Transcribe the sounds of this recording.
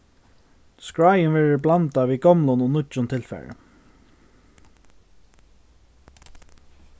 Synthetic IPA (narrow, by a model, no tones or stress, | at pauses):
skɹajənvɛːɹəblant̪aʋiːɡɔmlʊnɔnʊt͡ʃʊnt̪ʰɪlfɛ̰ɹə̰